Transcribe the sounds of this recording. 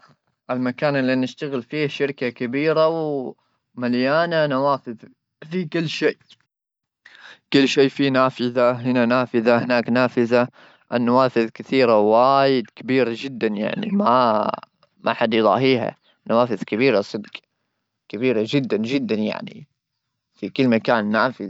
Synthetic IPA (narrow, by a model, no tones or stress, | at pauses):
ʔɪlmakaːnɪlːinɪʃt̪aɣɪlfiːhʃɪɾkakabiːɾaw | maljaːnanawaːfɪð | fiːkɪlːʃeːʔ | kʊlːʃeːfinaːfɪðaɦɪnanaːfɪðahɪnaːknaːfɪða | ʔanːawaːfɪðkɪθiːɾawaːjɪd̪kabiːɾad͡ʒɪd̪ːanja̰ʕnḭma̰ | mʔa̰ħad̪jðˤɑ̰ːɦiːɦa̰ | nawaːfɪðkabiːɾasˤɨd̪ɡ | kabiːɾad͡ʒɪd̪ːand͡ʒɪd̪ːanja̰ʕnḭ | fikɪlːmakaːnːaːfɪð